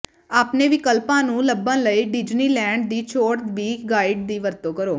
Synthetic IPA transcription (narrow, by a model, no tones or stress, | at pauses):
aːpneːʋɪkəlpãːnũːləbãːləiːɖɪd͡ʒniːlɛ̃ːɳɖ̚d̪iːt͡ʃʰoːɽt̪ʋiːkɡaːiːɖd̪iːʋəɾt̪õːkəɾoː